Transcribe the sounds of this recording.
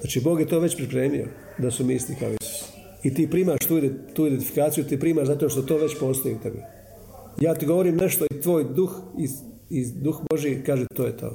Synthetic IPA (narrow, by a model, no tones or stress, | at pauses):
znaːt͡ʃiːboːɡjet̪o̞ːʋe̞t͡ɕpɾipɾe̞ːmio̰ | d̪asumislikao̰ḭsu̥s | it̪iːpɾiːmaʃt̪uːid̪et̪ːuːid̪ent̪ifi̥kaːt̪sijut̪iːpɾiːmaːʃzat̪o̞ʃt̪ot̪o̞ːʋe̞t͡ɕpo̞ːst̪ojiut̪e̞bḭ | jaːt̪iɡo̞ʋoɾiːmne̞ʃt̪o̞it̪ʋo̞ːjd̪uxiid̪uxbo̞ʒiikaːʒet̪o̞ːjet̪ʰo̞̰ː